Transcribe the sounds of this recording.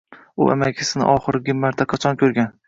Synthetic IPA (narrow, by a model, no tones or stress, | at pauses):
ʊ̰ʔa̰makʲʰɪsɪnɪ̰ʔɒχɨɾɡʲɪmːaɾt̪ʰaqʰɑt͡ʃʰɒnkʲʰɵɾɡʲan